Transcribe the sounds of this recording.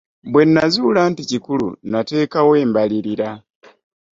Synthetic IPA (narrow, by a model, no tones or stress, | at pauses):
bwe̞nːazuːlanticikulṵnate̞ːkawe̞ːmbaliɾiɾa